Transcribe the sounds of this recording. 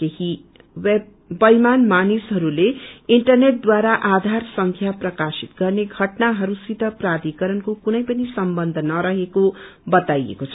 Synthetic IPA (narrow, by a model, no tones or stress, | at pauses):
keɦi | web̚ | bʌjmanmanisɦʌɾuleiɳʈʌrneʈ̚d̪waɾaʔad̪ʱarsʌŋkʰjaprʌkasit̪̚ɡʌrneɡʱʌʈnaɦʌɾusit̪ʌprad̪ikʌɾʌnkokunʌjpʌnisʌmbʌnd̪ʱʌnʌɾʌɦeko | bʌt̪ajḛkot͡sʰʌ